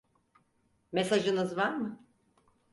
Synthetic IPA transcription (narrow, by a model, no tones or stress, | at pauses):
mesaʒɯnɯzvaɾmɯ